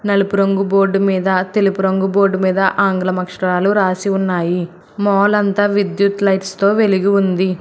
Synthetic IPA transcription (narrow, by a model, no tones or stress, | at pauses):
nɐlupuɾoŋɡubo̞ːɖːumiːd̪ɐt̪e̞lupuɾoŋɡubo̞ːɖumiːd̪ɐʔaːŋɡɐlɐmɐkʂɐɐɾaːluɾaːsiunːaːji | mɔːlɐnt̪aːʋid̪jut̪lɐjʈst̪o̞ːʋe̞liɡiund̪i